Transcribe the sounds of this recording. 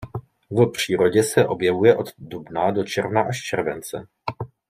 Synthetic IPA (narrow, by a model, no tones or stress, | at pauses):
vpr̝̥iːɾo̞ɟɛsɛʔo̞bjɛvujɛʔo̞d̪dubnado̞t͡ʃɛɾvnaʔaʃt͡ʃɛɾvɛnt͡sɛ̰